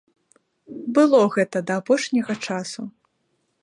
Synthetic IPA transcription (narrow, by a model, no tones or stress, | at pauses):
bɨlˠɔɣɛt̪ɐd̪ɐːpɔʂnʲɐɣɐt͡ʂasu